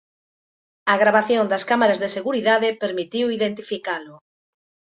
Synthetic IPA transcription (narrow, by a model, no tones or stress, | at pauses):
aɣɾaβ̞aθjond̪ɐskamaɾazðeseɣuɾiðaðepeɾmit̪iwiðent̪ifikalʊ